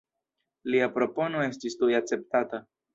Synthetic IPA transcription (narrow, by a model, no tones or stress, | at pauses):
liapɾo̞po̞no̞e̞stistujak̚t͡se̞p̚tata